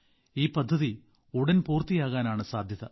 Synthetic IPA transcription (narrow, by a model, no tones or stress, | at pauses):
iːpɐd̪ʱːɐði | uɽɐnpuːrt̪ijaːɣaːnaːɳɨsaːd̪ʱjɐðɐ̰